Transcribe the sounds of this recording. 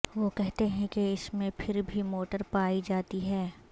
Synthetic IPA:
ʋoːkɛɦt̪eɦɛ̃keɪsmẽpʰɪɾbʱimoːʈəɾpaːid͡ʒaːt̪iɦɛː

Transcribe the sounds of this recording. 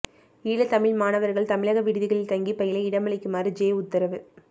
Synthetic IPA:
iːɭɐt̪ɐmɪɭmaːnɐʋɐɾɣɐɭt̪ɐmɪɭɐɣɐʋɪɽɪðɪɣɐɭɪlt̪ɐŋɡipɐjɪlɐɪɪɽɐmɐɭɪkːɯmaːrɯd͡ʒeːʊt̪ːɐɾɐʋɯ

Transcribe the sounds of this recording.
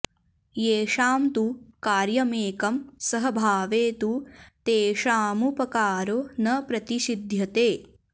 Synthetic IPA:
jeːʂaːmt̪ukaːɾjɐmeːkɐmsɐɦɐbʱaːʋeːt̪ut̪eːʂaːmupɐkaːɾonɐpɾɐt̪iʃid̪ʱjɐt̪eː

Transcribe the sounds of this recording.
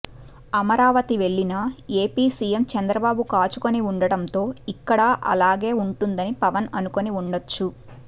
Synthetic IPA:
ɐmɐɾaːʋɐt̪iʋe̞ɭːinɐe̞ːpiːsije̞mt͡ʃɐnd̪ɾɐbaːbukaːt͡ʃuko̞niuɳɖɐɽɐnt̪o̞ːikːɐɽɐʔɐ̰laːɡe̞ːuɳʈund̪ɐnipɐʋɐnɐnuko̞niuɳɖɐt͡ʃːu

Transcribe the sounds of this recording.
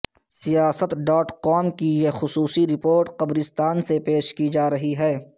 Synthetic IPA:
sijaːsət̪ɖɔːʈkɔːmkijexʊsuːsiɾɪpoːɾʈqɐbɾɪst̪aːnsepeːʃkid͡ʒaːɾɐɦiɦɛː

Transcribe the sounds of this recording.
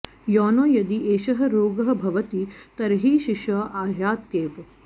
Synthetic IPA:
jɔːnoːjɐd̪iʔeːʃɐɦɐ̆ɾoːɡɐɦɐ̆bʱɐʋɐt̪it̪ɐɾɦiːʃiʃɐʔaːɦjaːt̪jeːʋ

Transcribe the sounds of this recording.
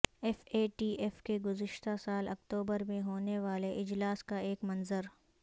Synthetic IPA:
ɛfeːʈiːʔɛfkeɡʊzɪʃt̪asaːlɐkt̪uːbəɾmẽɦoːneʋaːleʔɪd͡ʒlaːskaeːkmɐnzəɾ

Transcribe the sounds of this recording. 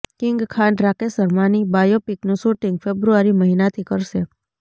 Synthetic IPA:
kɪ̃ŋɡkʰãɳɖɾakesəɾmanibajopiknũʃuʈiŋɡfebɾuaɾiməɦinat̪ʰikəɾʃe

